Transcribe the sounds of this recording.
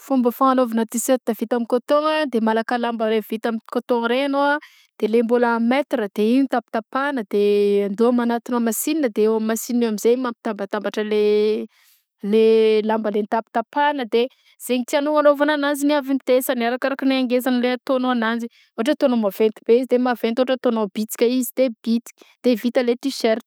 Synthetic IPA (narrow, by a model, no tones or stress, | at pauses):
fumbəfaŋanovinət̪iset̪avit̪amikot̪oŋəd̪emalakalambəɾev̥it̪amikot̪oŋɾenoa | d̪̥elembolamet̪ɾəd̪eiit̪api̥t̪apanəd̪eand̪oamanat̪inamasininəd̪eewammːasinamizejmampi̥t̪ambat̪ambaʈ͡ʂəle | lelambəlent̪api̥t̪apanəd̪e | z̥eɲit̪ianoanovananand͡ziniavinit̪esaniaɾakaɾakəniaŋɡezanəleat̪onoanani | oʈ͡ʂət̪onomavent̪ibeizid̪emavent̪ooʈ͡ʂət̪onobit͡si̥kʲəizid̪̥ebit͡s̪i̥kʲd̪̥evit̪əlet̪iʃeɾt̪